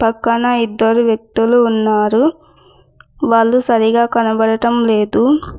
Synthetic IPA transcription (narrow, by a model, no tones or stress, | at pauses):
pɐkːɐnɐid̪ːɐɾuʋjek̚t̪uluːnːaːɾu | ʋaːɭːusɐɾiɡaːkɐnɐbɐɽɐʈɐmle̞ːd̪u